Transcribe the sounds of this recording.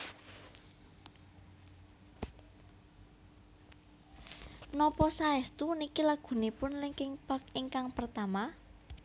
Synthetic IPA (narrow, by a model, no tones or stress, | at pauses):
nɔpɔsaɛst̪unikilaɡ̥ṳnipʊnliŋkɪŋpakɪŋkaŋpərt̪ama